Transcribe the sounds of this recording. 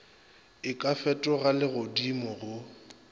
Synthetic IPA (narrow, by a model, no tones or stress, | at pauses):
ɪkʼafɛtʼɔɣalɪɣodimʊɣʊ